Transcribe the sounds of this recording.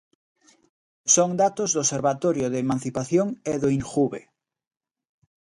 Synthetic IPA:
soŋd̪at̪ozðoseɾβat̪oɾjoðemãn̟θipaθjoŋeðoiŋxuβḛ

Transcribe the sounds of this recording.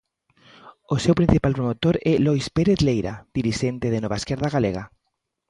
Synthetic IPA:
osewpɾinθipalpɾomot̪oɾɛlɔjspeɾeθlejɾa̰d̪̥iɾiʃent̪eð̞enɔβaeskɛɾðaɣaleɣa

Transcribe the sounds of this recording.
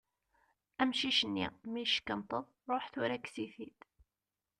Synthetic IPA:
æmʃiʃənːḭmiʃə̥kːənt̪ˤəðˤɾˤoħθʊɾækːsiθit̪

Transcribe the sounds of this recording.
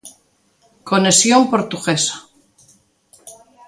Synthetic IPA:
konesjompoɾt̪uɣesḁ

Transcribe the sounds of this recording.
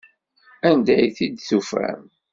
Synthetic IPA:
ænd̪æjθid̪θufæ̰m

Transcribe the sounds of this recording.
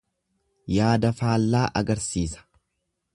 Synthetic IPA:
jaːd̪ɐfaːlːaːʔɐɡɐɾsiːsɐ̥

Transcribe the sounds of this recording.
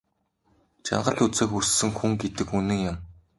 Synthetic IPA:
t͡ɕa̰ɴɢə̆ɮut͡seːxusːɘ̆ŋxuŋɡet̪ɘ̆kunɘ̆ŋjʊm

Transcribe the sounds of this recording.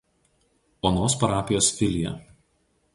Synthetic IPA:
oːnoːspɐɾɑːpʲɪjoːsfʲɪlʲɪjɛ̰

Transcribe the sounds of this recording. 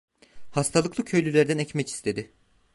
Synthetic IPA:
hast̪ʰalˠɯklˠɯcʰø̞jlʲylʲæɾd̪ænɛcmɛcʰi̥st̪ʰe̞d̪ɪ

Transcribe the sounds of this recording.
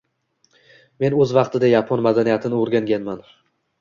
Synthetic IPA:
me̞nɵzvɑqt̪ʰɪd̪ajapʰɒnmad̪anijat̪ʰɪnɪoɾɡʲaŋɡʲanman

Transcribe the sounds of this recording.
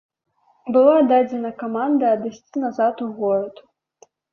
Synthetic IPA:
bɨlˠad̪ad͡zʲɛnɐkamand̪ɐːd̪ɨsʲt͡sʲinazat̪uɣɔɾɐd̪u

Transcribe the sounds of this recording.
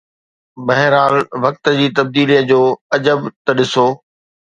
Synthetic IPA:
mɐɦɪɾaːlʋɐk̚t̪ə̆d͡ʑiːt̪ɐb̚d̪iːlijəd͡ʑoːɐd͡ʑəbt̪ɐɗɪsoː

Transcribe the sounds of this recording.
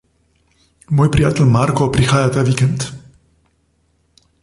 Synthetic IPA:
mojpɾiat̪əlmarkopɾixajat̪avikɛnt̪

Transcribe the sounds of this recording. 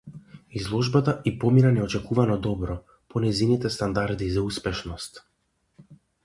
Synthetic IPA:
izlˠɔʒbat̪aipɔminanɛɔt͡ʃɛkuvanɔd̪ɔbɾɔ | pɔnɛjzinit̪ɛst̪and̪aɾd̪izauspɛʃnɔst̪

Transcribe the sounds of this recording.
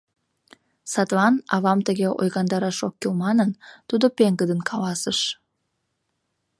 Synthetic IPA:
sɑt̪lɑnɑβɑmt̪əɣeʔo̰jɣɑnd̪ɑɾɑʃokːilmɑnənt̪ud̪opeŋɡəd̪ənkʰɑlɑsəʃ

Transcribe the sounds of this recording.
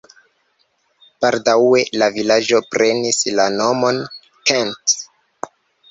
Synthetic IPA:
paɾdawe̞lavilad͡ʒo̞pɾʔe̞nislano̞mo̞n | kent

